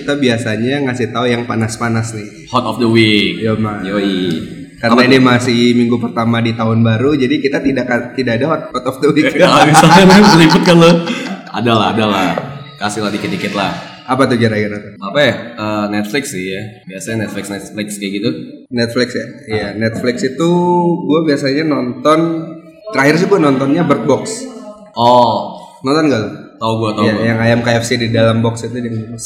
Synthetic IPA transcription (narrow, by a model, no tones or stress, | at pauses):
kit̪abiasaɲaŋasɪht̪aujaŋpanaspanasnɪ | hɔt̪ɔfd̪əwik̚jamajoi | karnainimasɪhmiŋɡupərt̪amadit̪aɦʊnbaɾud͡ʒadikit̪at̪idaʔkat̪idaadaɦɔt̪̚hɔt̪ɔfd̪əwikabisaɲaniməlibʊt̪̚kaloa̰dalaɦadalah | kasɪladikət̪ikɛt̪̚lah | apat̪ud͡ʒaɾaɡiɾatapajahənɛt̪̚flɪksɪhjabiasaɲanɛt̪̚flɪksnɛt̪̚flɪkskajaɡit̪unɛt̪̚flɪksjaijanɛt̪̚flɪksit̪uɡuabiasaɲanɔnt̪ɔn | t̪əɾaɦɪrs̬ɪɡuanɔnt̪ɔnɲabərt̪̚bɔks | ʔɔ | nɔnt̪ɔnɡalʊt̪auɡuat̪aajaŋajamkaɛfsididalambɔksit̪udaŋias